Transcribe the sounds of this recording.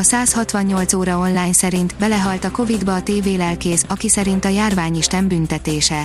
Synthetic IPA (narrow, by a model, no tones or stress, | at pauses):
ɒsaːshɒt̪ʋɒɲːo̞lt̪soːɾɒo̞nlaːɲsɛɾint̪bɛlɛɦɒlt̪ɒko̞vid̪bɒːt̪eːveːlɛlkeːsɒkisɛɾint̪ɒjaːrvaːɲiʃt̪ɛmbynt̪ɛt̪eːʃɛ